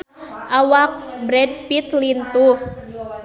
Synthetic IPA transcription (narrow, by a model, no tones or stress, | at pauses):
ʔawak̚bɾɛd̚pit̪lint̪uh